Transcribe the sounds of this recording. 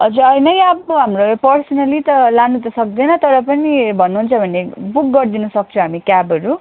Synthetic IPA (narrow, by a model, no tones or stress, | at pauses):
ʌd͡zuʌjnʌjabɦamropʌrsʌnʌlit̪ʌlanut̪ʌsʌk̚d̪enʌt̪ʌɾʌpʌnibʱʌnːuɦunt͡sʰʌbʱʌnːebuk̚ɡʌrd̪inʌsʌk̚t͡sʰõɦamikjabʌɾu